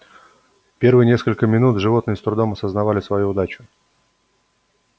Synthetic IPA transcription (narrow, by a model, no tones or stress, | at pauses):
pʲe̞rvɨjnʲe̞skəlʲkəmʲɪnut̪ʐɨvo̞t̪nɨjəst̪ɾʊd̪o̞mɐsəznɐvalʲɪsvɐjuʊd̪at͡ɕʊ̥